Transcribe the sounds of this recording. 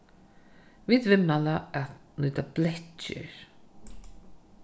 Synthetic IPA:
viːt̪vɪnːalaat̪nuːt̪ablɛt͡ʃɪ̰ɹ

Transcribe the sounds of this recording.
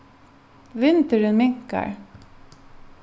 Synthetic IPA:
ʋɪnt̪əɖʉnmɪŋkə̰ɹ

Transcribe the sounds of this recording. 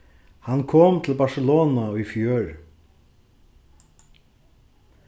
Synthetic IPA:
hankʰɔːmt̪ʰɪlbasɛlɔːnaifjøːɹ

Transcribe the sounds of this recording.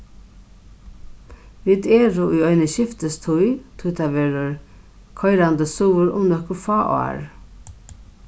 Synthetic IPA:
ʋiːd̪ɛːɾʊʔʊjɔjnəʃɪft̪əst̪ʰʊjt̪ʰʊjt̪ʰaʋeːɾʊɹ | kʰɔjɾand̪əsuːəɾʊ̰mnœhkʊfɑːʔa̰ːɹ

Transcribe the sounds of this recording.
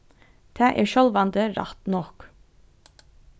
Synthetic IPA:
t̪ʰɑːʔæ̰ːʃɔlʋɑnd̪əɾɑ̰t̪nɔk

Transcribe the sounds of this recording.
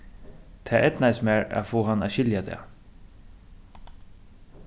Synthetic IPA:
t̪ʰɛːʔɛt̪najsmæːɹa̰fɔːɦanːaːɕɪljat̪ʰɛ̰

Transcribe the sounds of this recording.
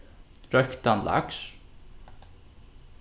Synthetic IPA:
ɾœkt̪ɑnlɑ̰ks

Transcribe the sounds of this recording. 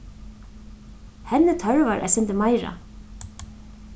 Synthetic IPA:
hɛnːɪt̪ʰœɹvaɾʔɛ̰ðsɪnt̪ɪmaːjɾa̰

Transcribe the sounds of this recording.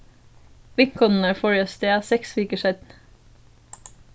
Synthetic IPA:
ʋɪŋkʰɔnn̩əfɔɹəst̪eːɑːsɛksʋyːkəʃɛd̪n

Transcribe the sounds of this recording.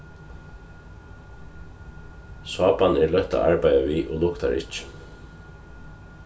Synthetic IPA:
swaːpanɛɹlœht̪a̰ʔaɹpajaʋiːʔɔlʊkt̪a̰ɹɪ̰t͡ʃɪ̥

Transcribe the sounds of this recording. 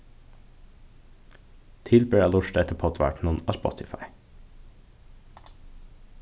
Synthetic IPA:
t̪ʰɪlbøːɾɑːlʊʃʈ̪ɛt̪ʰəpʰɔt̪ʰʋæ̰ːʈɳ̩unɑːspɔ̰t̪ʰɪfɑ̰ɪ

